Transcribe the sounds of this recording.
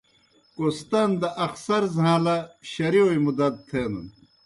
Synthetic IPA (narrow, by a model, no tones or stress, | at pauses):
kost̪ɐnd̪ɐʔɐxsɐɾzɦãːlɐɕɐɾiojmud̪ɐt̪̚t̪ʰeːnṵn